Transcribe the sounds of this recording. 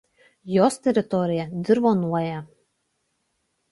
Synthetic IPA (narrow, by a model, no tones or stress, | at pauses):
jɔːst̪ʲɛɾɪt̪ɔːɾʲijad̪zʲɨɾvɔːnuɔjaː